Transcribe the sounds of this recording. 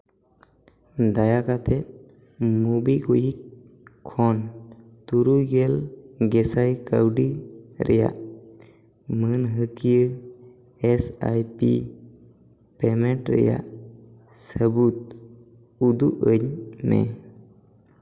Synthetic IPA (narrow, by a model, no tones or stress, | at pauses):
d̪ajakat̪ʰɛt̪̚ | mubikujikʰː | ɔn | t̪uɾujɡɛlɡɛsajkawɖiɾɛja̰ʔ | mənɦəkijə | ɛsa̰jpḭ | pɛmɛʈɾɛ̰ja̰ʔ | səbut̪̚ | ud̪uʔəɲmɛ̰